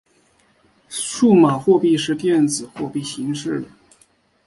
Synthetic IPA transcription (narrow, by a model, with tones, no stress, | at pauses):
ʂu˥˩ma˨˩xwɔ˥˧pi˥˧ʂɻ̩˥˧t̪jɛ˥˩nd͡zɹ̩˨˩xwɔ˥˧pi˥˩ɕi˧˥ŋʂɻ̩˥˩d̪ə˩